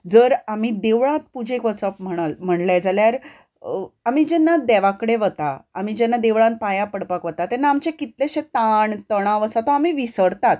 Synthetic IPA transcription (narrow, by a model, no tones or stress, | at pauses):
d͡zəɾamid̪eʋɭãt̪̚pud͡ʑʱekʋəsəpm̤əɽ̃alm̤əɳlad͡zaljaɾ | amid͡ʑɛnːad̪ɛʋakəɽeʋət̪a̰ːm̤id͡ʑɛnːad̪eʋɭãnt̪̚pajapəɽpakʋət̪at̪ɛnːaːmt͡ɕekit̪lẽɕẽt̪aɳt̪əɽ̃ãʋəsat̪oamiʋisəɾt̪at̪̚